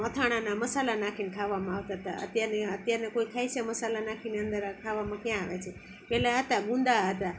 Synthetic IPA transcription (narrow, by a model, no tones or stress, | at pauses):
ət̪ʰaɽ̃anaməsalanakʰinkʰaʋːamãaʋt̪aɦət̪a̰ə̰t̪jaɾneət̪jaɾnekoikʰaiseməsalanakʰineənd̪əɾkʰaʋamãkjãaʋet͡ʃʰe | pɛlaɦət̪aɡũnd̪aɦət̪a